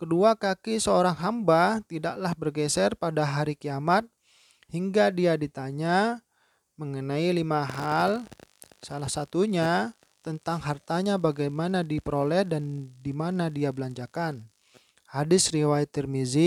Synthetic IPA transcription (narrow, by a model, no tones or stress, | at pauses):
kəduakakisəoɾaŋɦambat̪idaʔlahbərɡɛsɛrpadaɦaɾikiamat̪̚ | hiŋɡadiadit̪aɲa | məŋənailimaɦal | salahsat̪uɲa | t̪ənt̪aŋɦart̪aɲabaɡajmanadipəɾolɛhdandimanadiabəlaɲd͡ʒakan | hadɪsɾiwait̪ɛrmizi